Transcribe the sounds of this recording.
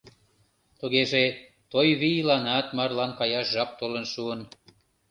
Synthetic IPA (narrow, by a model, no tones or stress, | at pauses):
t̪uɣeʒe | t̪ojβijlɑnɑt̪mɑrlɑnkɑjɑʃʒɑp̚t̪olənʃuən